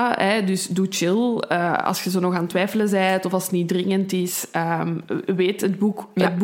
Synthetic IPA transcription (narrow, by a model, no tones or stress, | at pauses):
ɛdʏsdut͡ʃɪlˠə̰ɑ̰lˠsxəzoːnɔxaːntʋɛːfələzɛːtɔfɑlˠsə̥tnidrɪŋəntɪsəːmʋeːtɦəd̚bukəd̚b